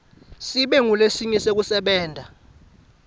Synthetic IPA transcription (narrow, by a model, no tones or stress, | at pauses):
siɓɛŋulesiɲɛsek̬usɛɓɛːndʱa